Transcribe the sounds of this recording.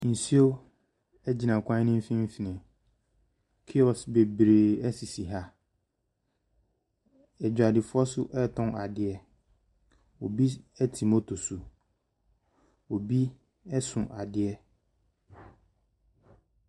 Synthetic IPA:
n̩˨si˦o˦ | ɛ˦d͡ʑi˨nã˨kʰʷã˦nɪ̃˦m̩˦fĩ˦m̩˦fi˨nɪ̃˨ | kʰi˦ɔ˨sbe˨bɾeː˨ɛ˦si˨si˨ɦa˦ | ɛ˨d͡ʑᶣa˨dɪ˨fʊ˦ɔ˦sʊ˦ʔɛ˦˨tʰɔ̃˦na˨dɪ˨ɛ˦ | o˨bi˦ɛ˦tʰi˨mo˦tʰo˨su˨ | o˨bi˦ | ɛ˦sʊ̃˨ʔa˨dɪ˨˦ɛ˦

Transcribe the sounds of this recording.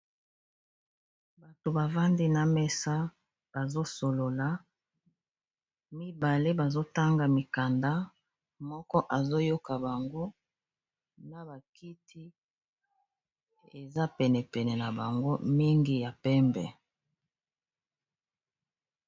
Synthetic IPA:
ba˨to˨ba˨va˦ndi˦na˨mɛ˦sa˦ | b̥a˨zo˦so˨lo˨la˨˦ | mi˦ba˨le˦ba˨zo˦ta˦ŋɡa˨mi˨ka˨nda˦ | mɔ˦kɔ˦ʔa˨zo˦jo˦ka˨ba˨ŋɡo˦ | na˨ba˨ki˦tʰi˦ | e˨za˦pɛ˨nɛ˨pɛ˨nɛ˨na˨ba˨ŋɡo̰˦mi˦ŋɡi˦ja˨pɛ˦mbɛ˨

